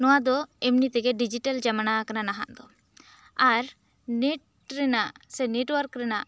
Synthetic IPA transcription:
nɔwad̪ɔɛmnit̪ɛɡɛɖid͡ʒiʈald͡ʒamanakananaɦa̰ʔd̪ɔ | aɾ | neʈ̚ | ɾɛnaʔsɛneʈwaɾkɾɛnaʔ

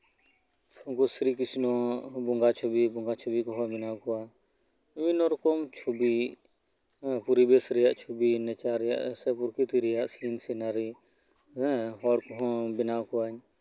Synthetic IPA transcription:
ɔ̃kusɾik̬isnɔbɔŋɡat͡ʃʰɔbibɔŋɡat͡ʃʰɔbikɔɦɔbɪnakɔwa | ʋinɔɾkɔmt͡ʃʰubi | puɾibɛsɾɛjaʔt͡ʃʰubinɛt͡ʃaɾɛja̰ʔsɛpuɾkit̪iɾɛjaʔsinsɛnaɾi | ɛɦɔɽkɔɦɔ̃binakɔwaɲ

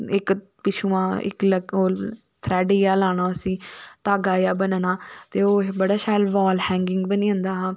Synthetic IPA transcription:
ɪk | pɪt͡ʃʰuːãːɪ̰kləɡoː | t̪ʰɾɛːɖiːjaːlaːɳ̃oːəsĩːt̪aːɡaːjaːbənnãːt̪eːoːbəɽaːʃaːjlʋɔːlhɛ̃ːŋɡɪŋɡbəniːə̃ːnd̪aːɦãː

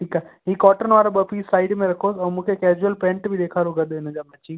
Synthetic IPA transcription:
ʈʰikaɦikɔːʈənʋaːɾabɐpisaːɪɖmẽɾɐkʰoːsɐːmũːkʰekɛːd͡ʒuəlpẽːɳʈbʱid̪eːkʰaːɾuɡɐd̪ɪnɐd͡ʒamɐt͡ʃi

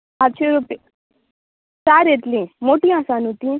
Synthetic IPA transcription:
at͡ʃʰeɾupe | saːɾet̪lĩmoʈiãsanũt̪ĩ

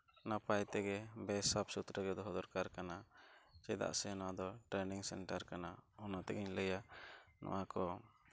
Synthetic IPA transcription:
napajt̪ɛɡɛbɛsapsut̪ɾəɡɛd̪ɔɦɔd̪ɔɾkaɾkanat͡ʃɛd̪a̰ʔsɛnad̪ɔʈɾɛniŋsɛ̰nʈaɾkanaɔnat̪ɛɡiɲləjanɔ̰wakɔ

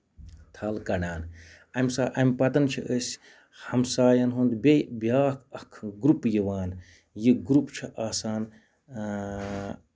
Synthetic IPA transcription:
t̪ʰɐːlkɐɽaːn | ɐmʲsaːʔɐmʲpɐt̪ɐnt͡ʃʰḭʔəsʲ | hɐmsaːjɐnɦund̪bʲebʲjaːkʰɐkʰɡɾupjiʋaːn | jiɡɾupt͡ʃʰiʔaːsaːn

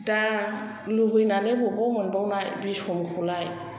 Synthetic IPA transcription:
da | luɦujnalebɔbɔmɔnbawnajbisɔmkʰulaj

